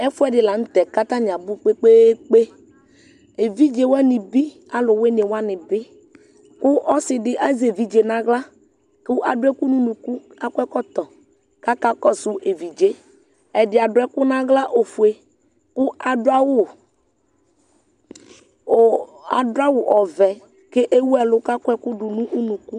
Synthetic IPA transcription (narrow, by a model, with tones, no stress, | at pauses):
ɛ˦fu˦ɛ˦ɖɪ˨la˨ŋ̩̃˦t̪ɛ˨ka˦t̪a˦ɲ˨ã˨bu˦k͡pe˦k͡pe˦k͡pe˦ | e˨vi˦d͡ʒe˨wɛ˦nɪ˨bi˦ | a˨lʊ˨we˦ne˨wa˦nɪ̃˨bɪ˦ | kʊ˦ʔɔ˦sɪ˨dɪ˨ʔa˦ze˨vi˦d͡ʒe˨nã˦ɡla˦ | kʊ˦ʔa˨dʊ˦ɛ˦ku˦nũ˦nũ˨ku˦ | a˦kɛ˦kɔ˦t̪ɔ˨ | ka˦ka˦kɔ˦sʊ˨ʔe˨vi˨d͡ʒe˦ | ɛ˨dɪ˨a˨dʊ˨˦ɛ˦kʊ˦nã˦ɣla˦ʔo˨fu˨e˨ | kʊ˦a˨dʊ˦a˦wʊ˦˨ | a̰˨dʊ˦a˦wʊ˨ʔɔ˨vɛ˨ | ke˦ʔe˦wu˦ɛ˨lʊ˦ka˦kʷɛ˦kʊ˦ɖʊ˨nũ˦ʔu˦nũ˨ku˦